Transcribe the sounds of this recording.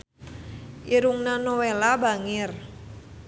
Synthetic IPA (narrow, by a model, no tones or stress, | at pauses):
ʔiɾuŋnanowelaba̤ŋɪr